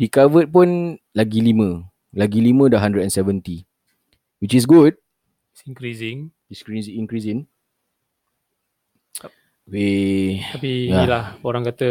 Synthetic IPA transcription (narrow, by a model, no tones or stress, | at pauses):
dikavət̪̚punlaɡilimə̃ | laɡilimə̃daɦandɾədɛnsɛvənt̪i | wit͡ʃis̬ɡud̚ | siŋkɾisɪ̃ŋ | iskɾiziŋkɾisɪ̃ŋ | okeapijailahoɾaŋkat̪ə